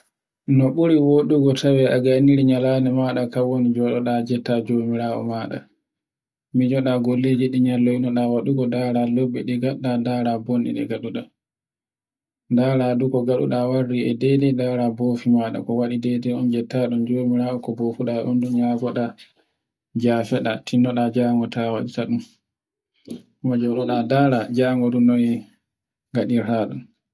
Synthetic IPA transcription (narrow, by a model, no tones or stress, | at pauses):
nɔɓuɾiwoɗuɡɔtʰawɛʔaɡaniɾiɲalanɛmaːɗakawonid͡ʒɔɗɔɗad͡ʒɛtːad͡ʒoːmiɾaːʔɔ̰maːɗa̰ | mid͡ʒɔɗaɡolːeːd͡ʒiɗiɲalːɔinɔɗawaɗuɡɔdaːɾalobːiɗiɡaɗːadaɾabonɗḭɗɛ̰ɡaɗuɗa | daːɾadukɔɡaɗṵɗawarːiɛdɛdɛdaːɾaboːfimaɗa̰kɔwaɗidɛdɛɔnd͡ʒɛtaɗumd͡ʒoːmiɾaɔkɔbofuɗaʔundunjafɔɗa | d͡ʒaːfɛɗatʰinːɔɗad͡ʒaːŋɡɔtawaɗitaɗum | mad͡ʒɔmɗɔɗadaɾad͡ʒaːŋɡɔɗunːɔni | ɡaɗiɾhaɗun